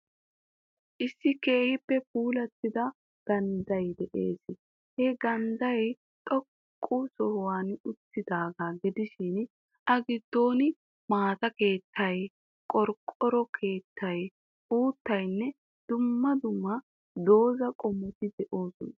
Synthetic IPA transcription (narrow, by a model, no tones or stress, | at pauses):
ʔɪsːɪke̞ːhɪpːɛpuːlɐt̪ːɪd̪ɐ | ɡ̥ɐnd̪ɐjd̪ɛʔeːs | hɛɡɐnd̪ɐj | t̪ʼɔkʼːusɔhwaːnʊt̪ːɪd̪aːɡaɡɪd̪ɪʃɪn | ʔɐɡɪd̪̥ːo̞ːnɪ | maːt̪ɐke̞ːt̪ʰːɐj | kʼɔɾkʼɔɾɔkʰe̞ːt̪ʰːɐj | uːt̪ːɐjnːɛ | d̪̥ʊmːɐd̪ʊmːɐ | d̪o̞ːzɐkʼɔmːɔt̪ɪd̪ɛʔo̞ːsɔnɐ